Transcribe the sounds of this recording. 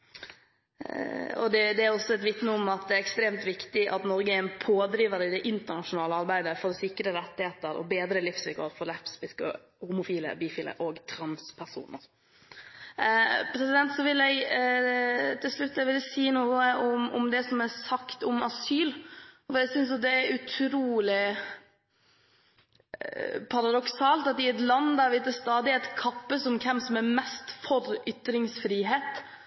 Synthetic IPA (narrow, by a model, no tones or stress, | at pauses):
ɔ̰d̪ɛd̪ɛæɾɔsːɔɛt̪ʋɪt̪nəʊmɑt̪̚d̪ɛæɾɛkst̪ɾeːmt̪ʋɪkt̪ɪʔɑ̰t̪nɔɾɡəɛɪnpʰoːd̪ɾiːʋəɾɪd̪ɛʔɪnt̪ənɑʂʊnɑːləɑɾbæɪd̪əfɔɾɔsɪkːɾəɾɛt̪ːɪheːt̪əɾɔ̰beːd̪ɾəlɪfsʋɪkɔːɾfɔɾlæpspɪskə̰ | hʊmʊfiːlə̰biːfiːlə̰ʔoːɡt̪ʰɾɑnspʰæɾʂṵːnə̰ɾ | pʰɾɛsɪd̪ɛnt̪sɔʋɪlɛɪ | t̪ʰɪlslʉt̪ːəʋɪlsiːnuːəʔɔmɔ̰md̪ɛsɔmæɾsɑkt̪ɔmɑsyːlfɔɾæɪɡsʏns̬jʊd̪ɛæɾʉt̪ʰɾuːlɪ | pʰɑɾɑd̪ɔksɑːlt̪ɑt̪ɪɛt̪lɑnd̪æɾʋɪt̪d̪əst̪ɑːd̪ɪɛt̪kʰɑpːəsɔmkʰɛmsɔmæɾmɛst̪fɔɾʏt̪ːɾɪŋsfɾiːɦeːt̪